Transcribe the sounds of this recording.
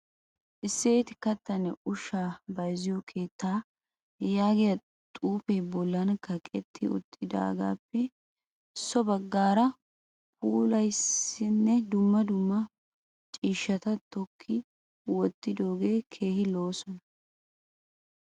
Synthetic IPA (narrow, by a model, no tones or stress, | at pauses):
ʔɪsːeːt̪ɪkɐt̪ːɐnɛʊʃːaːbɐjzɪjɔkʰe̞ːt̪ʰːaː | jaːɡɪjɐ | t̪ʼuːpebɔlːɐnkːɐkʼɛt̪ʰːɪʊ̰t̪ʼːɪd̪a̰ːɡa̰ːpːɛ | ɪsːɔbɐɡːaːɾɐ | pʰuːlɐjsɪnːɛd̪ʊmːɐd̪ʊmːɐ | t͡ʃʼiːʃːɐt̪ɐt̪ɔkʰːɪ | wɔt̪ːɪd̪o̞ːɡe̞ːkʰe̞ːhɪlo̞ːsɔnɐ